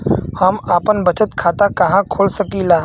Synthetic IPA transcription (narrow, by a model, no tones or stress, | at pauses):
hɐmaːpənbɐt͡ʃət̪kʰaːt̪akɐɦãkʰoːlsɐkilaː